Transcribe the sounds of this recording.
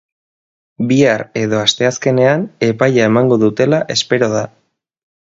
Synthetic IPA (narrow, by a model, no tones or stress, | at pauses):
biaɾe̞ðo̞ast̪e̞aske̞ne̞ane̞pajaemaŋɡo̞ðut̪e̞laʔe̞spe̞ɾo̞ð̞a